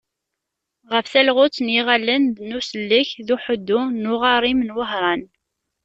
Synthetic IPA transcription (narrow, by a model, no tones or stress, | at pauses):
ʁəfθælʁʊt͡sːnjiʁalːənd̪nusəlːiçðuħəd̪ːunʊʁɑɾˤimənwəhɾˤɑn